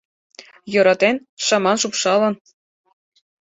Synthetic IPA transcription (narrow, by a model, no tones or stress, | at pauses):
jɤ̆ɾɑt̪enʃɑmɑnʃupʃɑlɤ̆n